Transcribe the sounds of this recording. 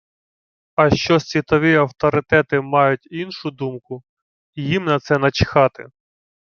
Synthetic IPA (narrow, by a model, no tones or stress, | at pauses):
ɐʃt͡ʃɔsʲʋʲit̪ɔʋʲiɐwt̪ɔɾɪt̪ɛt̪ɪmɑjʊtʲinʃʊd̪umkʊ | jimnɐt̪sɛnɐt͡ʃɪ̥xɑt̪ɪ̰